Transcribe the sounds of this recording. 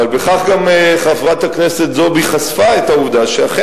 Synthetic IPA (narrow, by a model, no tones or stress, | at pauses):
valbe̞χaχɡameχafʁat̪haknese̞t̪zobiχasfaet̪auvd̪aʃeaχe